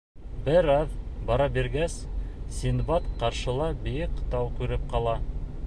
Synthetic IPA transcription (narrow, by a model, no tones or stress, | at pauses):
bɘɾɑðbɑɾɑbiɾɡæssʲinbɑt̪qɑɾʃɤ̆lˠɑbijɘqt̪ɑwkʉɾɘp̚qɑlˠɑ